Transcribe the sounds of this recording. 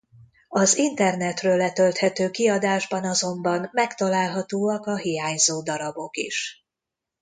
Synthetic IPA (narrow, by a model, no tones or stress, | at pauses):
ɒzint̪ɛrnɛt̪røːlːɛt̪ølt̪hɛt̪øːkiɒd̪aːʒbɒnɒzo̞mbɒmːɛkt̪ɒlaːlɦɒt̪oːɒkɒɦijaːɲzoːd̪ɒɾɒbo̞kḭʃ